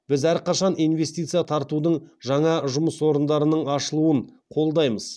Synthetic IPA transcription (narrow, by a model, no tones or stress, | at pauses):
b̥ɪzæɾqɑʃɑnijnve̞st̪ijt̪sɨjat̪ʰɑɾt̪ud̪əɴʒɑɴɑʒʊməswo̞ɾənd̪ɑɾənəɴɑʃəlˠuən | qʰo̞lˠd̪ɑjməz